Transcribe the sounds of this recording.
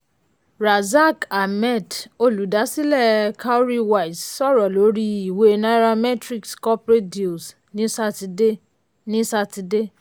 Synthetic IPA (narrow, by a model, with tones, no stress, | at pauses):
ɾa˨za˦˨ka˨mɛ˦˨to˧lu˨da˨˦si˦lɛ˦˨kʰa˦o˦ɾi˦wa˨i˨ssɔ˦˨ɾɔ˨lo˨˦ɾi˦i˨we˨˦˧na˦ɾa˧mɛ˦tɾi˦kskɔ˦pɾe˦di˨u˨s | nĩ˦sa˧˦ti˧de˦ | nĩ˦sa˧ti˧de˦